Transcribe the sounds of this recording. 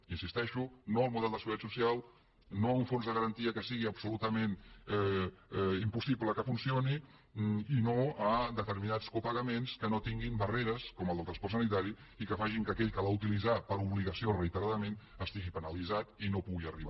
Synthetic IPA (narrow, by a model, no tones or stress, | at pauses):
insist̪ɛʃunoəlˠmuðɛlˠd̪əsəɣuɾtat̪susialˠ | nouɱfonzðəɣəɾənt̪iəkəsiɣiəpsulut̪əmenɛ | impusipləkəfunsioni | inoəd̪ət̪əɾminat͡skupəɣəmenskənot̪iŋɡimbəreɾəskɔməlˠd̪əlˠt̪ɾɐnspɔɾt̪sənit̪aɾi | ikəfaʒiŋkəkɛʎkəlaut̪ilizapəɾuβliɣəsiorəit̪əɾaðəmen | əst̪iɣipənəlizat̪inopuɣiə̰riβa